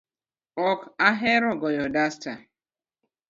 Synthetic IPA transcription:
ɔkaɦeɾɔɡɔjɔdasta

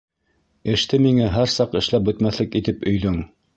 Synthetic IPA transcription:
ɘ̆ʃt̪ɘmiŋæɦæɾsɑqɘ̆ʃlæp̚bɵ̆t̪mæθlɘkit̪ɘpɵ̆jðɵŋ

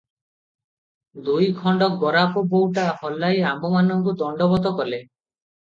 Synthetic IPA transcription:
d̪ujkʰɔɳɖɔk̚ɡɔɾapɔbowʈahɔlːajambɔmanɔŋkud̪ɔɳɖɔbɔt̪ɔkɔle

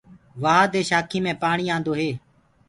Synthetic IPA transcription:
ʋaːd̪eːʃaːkʰiːmẽːpaːɳiːãːnd̪oːɦeː

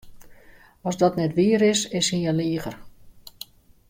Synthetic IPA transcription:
ɔsdɔtnɛtʋiəɾɪsɪshijɛliːəɣər

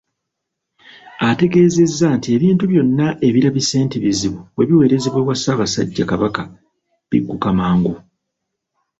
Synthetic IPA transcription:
ate̞ɡe̞ːze̞zːantie̞βiːntuβjo̞nːaʔe̞βiɾaβise̞ːntiβiziβuβwe̞βiwe̞ːɾe̞zeβweβwasaːβasaɟːakaβaka | βḭɡːukamaːŋɡu

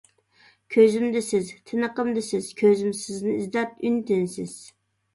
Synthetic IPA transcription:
kʲʰøzɪmd̪ɪsɪzt̪ʰɪnəqəmd̪ɪsɪz̥kʲʰøzymsɪznɪizd̪ɛp̚ynt̪ɪnsɪz̥

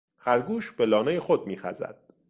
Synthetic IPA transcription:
xæɾɡuːʃb̥e̞lɒːnejexod̪̚miːxæ̰zæ̰d̪̥

